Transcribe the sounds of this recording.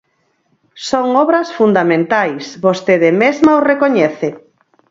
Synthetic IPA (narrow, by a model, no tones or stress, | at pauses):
soŋɔβɾɐsfund̪amẽnt̪ajsβost̪eðemezmaorekoɲɛθe